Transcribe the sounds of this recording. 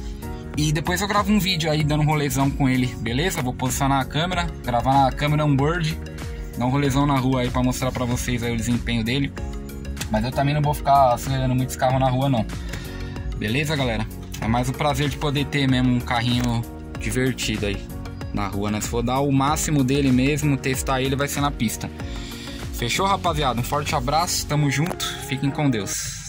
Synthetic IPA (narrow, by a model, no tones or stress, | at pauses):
ɪd̪epojzewɡɾavʊũvid͡ʒʊaid̪ɐ̃nd̪ũɦolezɐ̃w̃kõelɪbelezɐewvowpozisjonaːkɐ̃meɾɐɡɾavanɐkɐ̃meɾɐũboɾd͡ʒɪ | d̪ɐ̃ũɦolezɐ̃w̃nɐɦuɐaipɾɐmost̪ɾaɾpɾɐvosejzaiʊd̪ɪzẽpẽɲʊd̪elɪ | mɐzewt̪ɐmẽnɐ̃w̃vowfi̥kasueɾɐ̃nd̪ʊmũt̪ɪ̥skaɦʊnɐɦuɐnɐ̃w̃ | belezɐɡalɛɾɐ | ɛ̰majzʊ̃pɾazeɾd͡ʒɪpod̪et̪emẽzmʊũkaɦĩɲʊ | d͡ʒiveɾt͡ʃid̪ʊai | nɐ̰huɐnɛsɪfod̪aʊmasimʊd̪elɪmezmʊt̪est̪aelɪvajseɾnɐpist̪ɐ | feʃohapaziad̪ʊũfɔɾt͡ʃɪabɾasʊ̥st̪ɐ̃mʊzʒũt̪ʊ̥sfikẽj̃kõd̪ews